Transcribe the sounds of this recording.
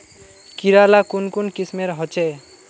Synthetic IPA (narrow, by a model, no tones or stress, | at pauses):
kiɾalakunkunkismeɾɦɔt͡ʃe